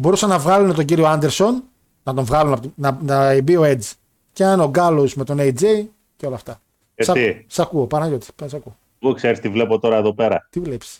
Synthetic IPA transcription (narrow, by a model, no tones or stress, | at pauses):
bo̞ɾusɐnːɐvɣɐlunet̪o̞ɲɟiɾio̞ɐnd̪eɾso̞n | nɐt̪o̞ɱvɣɐlunɐpot̪nɐnɐebio̞ed͡z | ceɐno̞ɡɐlo̞zme̞t̪o̞nejd͡zej | ceo̞lɐft̪ɐ | esɐt̪isɐkuopɐnɐʝot̪ispesɐkuo | ukseɾist̪ivle̞pot̪o̞ɾɐeðo̞pe̞ɾɐt̪ivlepi̥ss